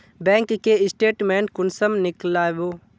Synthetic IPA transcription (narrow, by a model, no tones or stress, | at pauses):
bɛ̃ːŋkːeɪsʈeːʈmẽːɳʈkʊnsəmnɪklaːʋoː